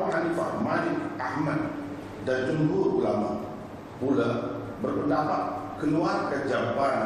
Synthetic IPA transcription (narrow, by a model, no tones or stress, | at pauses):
aɦanifahmanɪkahmat̪̚ | dand͡ʒəmbuulama | pula | bərpəndapat̪̚kəluarkad͡ʒaban